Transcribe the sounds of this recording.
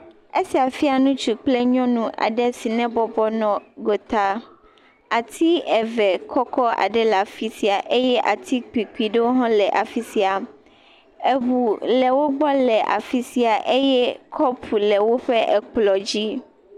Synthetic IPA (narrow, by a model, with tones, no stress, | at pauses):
e˦si˨a˨fi˦a˨nũ˦t͡ʃu˨k͡ple˦ɲɔ̃˦nũ˦ʔa̰˨ɖɛ˦si˨nɛ̃˦bɔ˨bɔ˦nɔ̃˨ɡo˨t̪a˦ | a˨t̪ʰi˦ɛ˨vɛ˨kʰɔ˦kɔ˦a̰˨ɖɛ˦la˨fi˦si˨a˨ʔe˦jɛ˦ʔa̰˨t̪ʰi˦k͡pi˨ki˨ɖe˦wo˦ɦɔ̃˦lɛ˨ʔa˨fi˦si˨a˨ | e˨βu˨lɛ˨wo˦ɡ͡bɔ˦lɛ˨ʔa̰˨fi˦si˨a˨ʔe˦jɛ˦kʰɔ˦pʰu˨lɛ˨wo˦ɸɛ˦ʔɛ̰˨k͡plɔ˨d͡ʑi˦